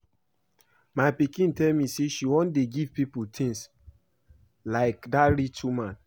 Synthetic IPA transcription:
maɪpikĩntɛlmiseʃiwɔ̃ndeɡivpiputʰĩŋs | laɪkdaɹitʰumãn

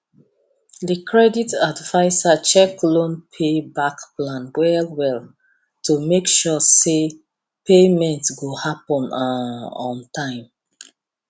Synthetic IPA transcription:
ðikʰɹɛditadvaɪsat͡ʃɛklõnpʰebakplãnwɛlwɛl | tumekʃɔse | pemɛ̃ntɡohapɔ̃naɔ̃ntʰãɪ̃m

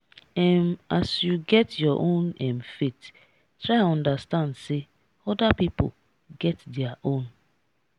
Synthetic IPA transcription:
ɛm̩asjuɡɛtjɔʔõnɛ̃mfet | tɾaɪɔ̃ndastãndse | ɔdapipo̰ | ɡɛtdɛaʔõn

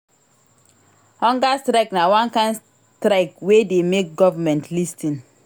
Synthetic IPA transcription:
hɔ̃ŋɡastɾaknawãnkãɪ̃ns | tɾaɪkwedemek̚ɡɔvamɛ̃ntʰlistĩn

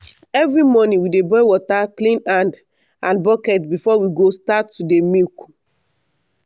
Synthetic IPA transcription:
ɛvɹimɔnĩwidebɔɪwɔtaklĩnãnd | ãnbɔkɛtbifɔwiɡostatːudemilk

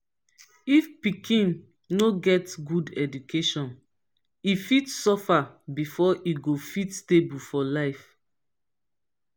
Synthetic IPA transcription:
ifpikʰĩn | noɡɛtɡudɛdukʰeʃɔ̃n | ifitsɔfabifɔʔiɡofitstebulfɔlaɪf

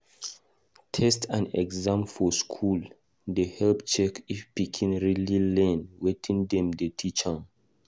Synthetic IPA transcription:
tʰɛstãnɛ̰ɡzãmfɔskʰul | dehɛlpt͡ʃɛkifpikʰĩnɹililɛ̃nwetʰĩndɛ̃mdetʰit͡ʃãŋ

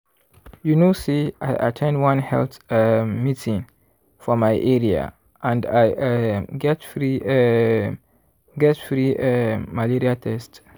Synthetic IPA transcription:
junusiajʔa̰tʰẽnwãnhɛ̰lθmitʰĩŋ | fɔmajʔɛɹia̰ | ʔãndajɡɛtfɹi | ɡɛtfɹiemaliɾiatʰɛst

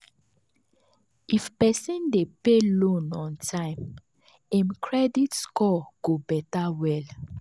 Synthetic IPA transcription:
ʔifpɛsĩndepelõnɔ̃ntʰãɪ̃m | ɛ̃mkʰɹɛditskɔɡ̥obɛtawɛl

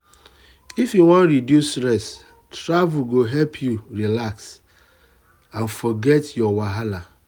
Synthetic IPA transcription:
ifjuwɔ̃nɾidjustɾɛs | tɾavuɡoɦɛlpʰjuɹilaks | ãnfɔɡɛtjɔwaɦala

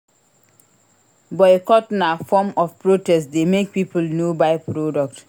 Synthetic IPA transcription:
bɔekɔtnafɔmɔfpɹotɛstdemek̚pipulnobaɪpɹodɔk̚t

